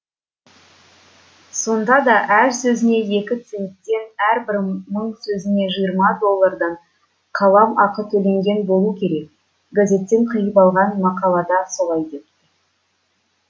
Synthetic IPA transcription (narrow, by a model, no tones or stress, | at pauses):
so̞nd̪ɑd̪ɑʔæɾsɵzɪne̞je̞kʲɪt̪se̞nt̪ːe̞næɾbɪɾməɴsɵzɪne̞ʒəjəɾmɑd̪o̞lˠːɑɾd̪ɑɴ | qʰɑlˠɑmɑqət̪ʰɵle̞ŋɡʲe̞nbo̞lˠukʲʰe̞ɾe̞k̚ | ɡazʲe̞t̪ːe̞ɴqʰəjəpɑlˠʁɑnmɑqɑlˠɑd̪ɑso̞lˠɑjd̪e̞p̚t̪ɪ